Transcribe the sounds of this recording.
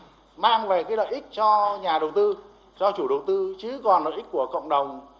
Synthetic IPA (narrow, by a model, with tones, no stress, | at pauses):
maː˧ŋva˨˩kaː˨˦lə̰ː˧˨ʔï˦˥k̟̚t͡ɕɔ˧ɲaː˨˩ɗə˨˩wt̪ɨ˧ | t͡ɕɔ˧t͡ɕu˧˩ɗə˨˩wt̪ɨ˧t͡ɕɨ˨˦kɔ˨˩nlə̰ː˧˨jʔi˦˥k̚ku˧˩əkə̰˧˨wŋ͡mɗə˨˩wŋ͡m